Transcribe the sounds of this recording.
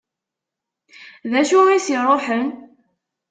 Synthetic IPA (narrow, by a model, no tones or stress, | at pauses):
ðæʃuisiɾˤoħən